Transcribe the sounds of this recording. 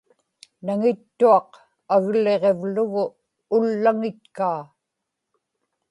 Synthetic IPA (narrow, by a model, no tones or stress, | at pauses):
naŋɪt̪ːuɑq | aɣle̞ʁe̞vlʊɣʊː | lːaŋɪt̪̚kaː